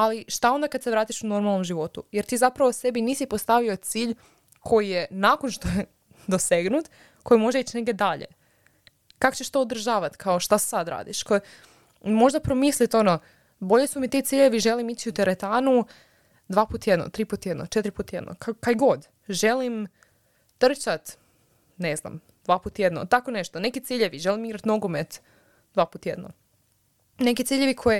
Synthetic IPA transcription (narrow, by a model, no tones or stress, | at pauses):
aliʃt̪ao̞nd̪akad̪seʋɾaːt̪iʃuno̞ɾmalˠno̞mʒiʋo̞t̪ujeɾt̪iːzapɾaʋo̞se̞biniːsipost̪aʋio̞t̪siːʎ | kʰo̞jijenaːko̞nʃt̪oje | d̪ose̞ɡnut̪ | kʰo̞jimo̞ʒeit͡ɕne̞ɡd̪ʲed̪aʎe̞̰ | kako̥t͡ɕeʃt̪oːd̪ɾ̩ʒaːʋat̪kʰaoʃt̪asad̪ɾa̰ːd̪iʃko | mo̞ʒd̪apɾomislit̪o̞no | bo̞ʎesumit̪it̪siːʎeʋiʒe̞limit͡ɕiut̪eɾet̪aːnu | d̪ʋaːpuːt̪jed̪no̰t̪ɾiːpuːt̪jed̪not͡ʃet̪ɾipuːt̪je̞d̪no̰kakajɡo̞d̪ | ʒe̞lim | t̪r̩t͡ɕat̪ | nezna̰m | d̪vʋaːpuːt̪jed̪no̰t̪akone̞ʃt̪onekit̪siːʎeʋiʒe̞limiɡɾat̪noɡomet̪ | d̪ʋaːpuːt̪jed̪no̰ | nekit̪siːʎeʋikʰoje